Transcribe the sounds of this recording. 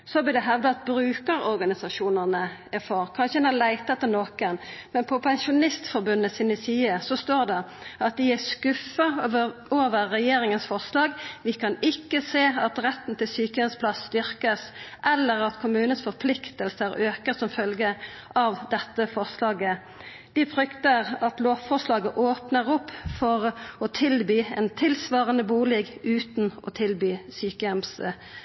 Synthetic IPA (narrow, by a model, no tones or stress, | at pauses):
sɔblɪd̪ɛɦɛʋd̪əɑt̪̚bɾʉːkəɾɔɾɡɑnɪsɑʃuːnəʁnəæfɔɾkʰɑnʃəɛnælæɪt̪ɑɛt̪ːənoːkənmɛnpʰɔpʰɛnʃʊnɪst̪fɔɾbʉnːəsɪnɪsiːəsɔst̪oːʁd̪ɛ | ɑt̪̚d̪ɪæskʉfɑoːʋəɾːɛjeːɾɪŋənsfɔʁslɑːɡʋɪkʰɑnɪkːəseːɑt̪ɾɛt̪ːn̩t̪ɪlsyːkəənspʰlɑsːt̪ʏɾkəsʔɛlːəʁɑt̪kʰʊmʉːnənsfɔʁpʰlɪkt̪əlsəɾøːkəsɔmfœlɡə | ʔɑʋd̪ɛt̪ːəfɔʁslɑːɡə | d̪̥ɪfʁʏkt̪əʁɑt̪loːʋfɔʁslɑːɡəʔoːpnəʁɔpːfɔʁɔt̪ʰɪlbyːɛːnt̪ʰɪlsʋɑːʁənəbuːlɛɡʉːt̪n̩ɔ̰t̪ʰɪlbyːsyːkəɛms